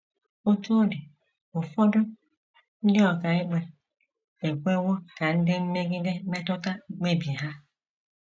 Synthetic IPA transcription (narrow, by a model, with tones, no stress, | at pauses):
o˦tu˦o˦dɪ˨ | ʊ˨fɔ˦dʊ˦ | n̩˦dɪ˦ɔ˨ka˨e˦ɡ͡be˨ | e˨kʷe˦wo˦ka˨n̩˦dɪ˦m̩˦me˦ɡi˦de˦me˦tʊ˦ta˦ɡ͡be˦be˨ɦa˦